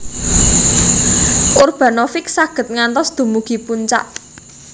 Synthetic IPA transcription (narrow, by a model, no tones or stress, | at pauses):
ʔʊrb̥ä̤nɔfɪksaɡ̥ə̤t̪̚ŋant̪ɔsd̪̥ṳmuɡ̥i̤puɲt͡ʃa̰ʔ